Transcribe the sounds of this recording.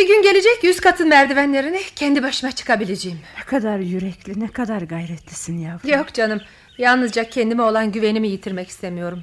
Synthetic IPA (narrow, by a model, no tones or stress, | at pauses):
biɟʲynɟe̞lʲe̞d͡ʒɛcjyzkʰat̪ʰɯnmæɾd̪ivænlʲe̞ɾinicʰɛnd̪ibaʃɯnat͡ʃʰɯ̥kʰabilʲed͡ʒejimnɛkʰad̪aɾjyɾɛclʲinɛkʰad̪aɾɡajɾɛt̪ʰlʲisinjaːvjo̞kd͡ʒanɯm | jalˠnɯzd͡ʒacʰɛnd̪imɛo̞lˠanɟyve̞nimijit̪ʰiɾmɛci̥st̪ʰemijo̞ɾum